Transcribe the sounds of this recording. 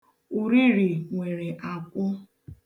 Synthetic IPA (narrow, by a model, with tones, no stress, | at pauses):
u˨ɾi˦ɾi˨ŋʷe˨ɾe˨ʔa˨kʷʊ˦